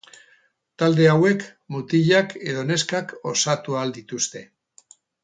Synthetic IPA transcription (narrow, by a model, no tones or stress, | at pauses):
t̪ald̪e̞awe̞k | mut̪iʎake̞ðo̞ne̞skako̞sat̪uald̪it̪ust̪e̞